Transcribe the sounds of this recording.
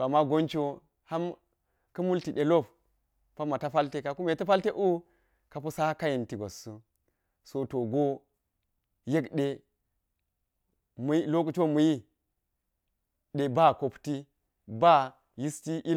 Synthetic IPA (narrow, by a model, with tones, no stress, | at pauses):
a˨mːa˦ɡo˦nt͡ʃo˦ | ha˦m | kɐ˦mu˦lti˨ɗe˨lo˦p | pa˦mːa˨ta˦fa˦lte˦ka˨ku˦me˨ta˦fa˦lte˦ʔu˦ | ka˨pu˦sa˦ka˦ji˨nti˨ɡo˨su˦ | so˨to˨ɡo˦ | je˦kɗe˨ | mu˦lo˦ku˨t͡ʃo˦mu˨ji˦ | ɗe˨ba˦ko˨pti˦ | ba˦ | ji˦sti˦ʔi˦